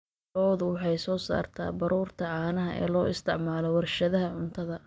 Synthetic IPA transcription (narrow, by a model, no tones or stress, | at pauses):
ɔːðʊwɑħɑjsɔːsa̰ːrt̪ʰa̰ːbɐɾʔuːrt̪ʰɐʕɑːnɐɦɐʔɛ̰ːlɔːʔɪst̪ʰɪʕmaːlɔwɐrʃɐðɐɦɐʕʊnt̪ʰɐðɐ